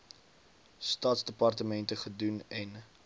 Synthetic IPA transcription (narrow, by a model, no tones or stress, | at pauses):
stɑːtsdəpɑrtəmɛntəχədunɛn